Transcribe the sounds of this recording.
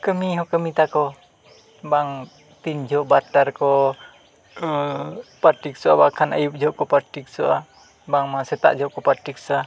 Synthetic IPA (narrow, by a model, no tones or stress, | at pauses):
kəmiɦɔkəmit̪akɔ | baŋ | t̪ind͡ʒʱɔʔbaɾʈaɾkɔ | paɾʈiksɔʔa̰bakʰanəjup̚d͡ʒʱɔʔkɔpaɾʈik̚sɔʔa | baŋmasɛt̪a̰ʔd͡ʒʱɔʔkɔpaɾʈik̚sa